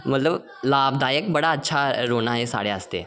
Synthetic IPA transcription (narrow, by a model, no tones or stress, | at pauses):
mət̪ləb | laːbd̪aːjək̚bəɽaːtːʃʰaɾoːnaɦesa̰ːɽeəst̪ḛ